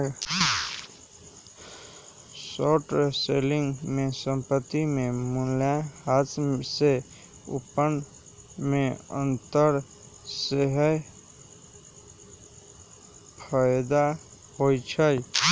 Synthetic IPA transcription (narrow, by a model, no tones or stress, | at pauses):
soʈselɪ̃ŋɡmẽsəmpət̪ːimẽmuljahat̪se | ṵpən | mẽə̰̃nt̪əɾ | seɦəj | pʰajd̪a | ɦojt͡ʃʰəj